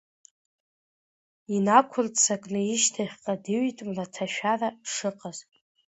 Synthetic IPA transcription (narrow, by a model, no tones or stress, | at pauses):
inakʷʰʊrtʰʼsakʼnɨiʃtʰaχʲqʼadɨɥitʼmlatʰaʃᶣaraʂɨqʼazʼ